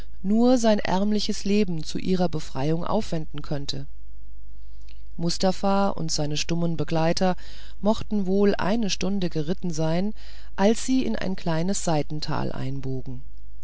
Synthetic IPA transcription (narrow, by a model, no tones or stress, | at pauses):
nuːɐzaɪnʔɛ̰ɐmlɪçəsleːbm̩t͡suʔiːʁɐbəfʁ̥a̰ɪʊŋʔa̰ʊfv̥ɛndn̩kʰœntʰə | mʊstafa | ʔʊ̰ntz̥aɪnəʃtʊmənbəɡlaɪtʰɐ | mɔχtn̩voːlʔa̰ɪnəʃtʊndəɡəʁɪtn̩zaɪn | ʔalsz̥iːɪ̰nʔa̰ɪnkl̥aɪnəsz̥aɪtn̩tʰa̰ːlʔa̰ɪnboːɡŋ̩